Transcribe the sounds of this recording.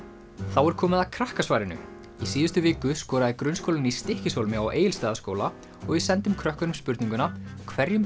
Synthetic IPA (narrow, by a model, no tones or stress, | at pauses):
θawɛɾ̥kʰɔːmɪðakʰɾahkasvaːjɾɪnʏ̰ | isiːðʏst̪ʏvɪːkʏskɔːɾaðɪkɾʏnskowlɪnist̪ɪhcɪsoːlmɪawʔḛːjɪlst̪aːðaskoːwla | ɔɣvɪsɛnt̪ʏmkʰɾœhkʏnʏmspʏɾt̪niŋkʏnakʰvɛɾjʏm